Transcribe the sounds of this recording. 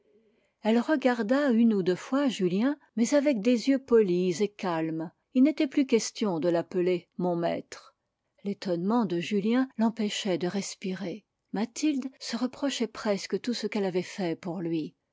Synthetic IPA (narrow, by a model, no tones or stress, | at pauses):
ɛlʁəɡaʁd̪aynud̪øfwaʒyljɛ̃mɛzavɛk̚d̪ezjøpɔlizekalm | ilnet̪ɛplykʲɛst̪jɔ̃d̪əlapəlemɔ̃mɛ̰t̪χ | let̪ɔnmɑ̃d̪əʒyljɛ̃lɑ̃pɛʃɛd̪əʁɛspiʁe | mat̪ild̪səʁəpχɔʃɛpχɛskət̪usəkɛlavɛfɛpuʁlɥi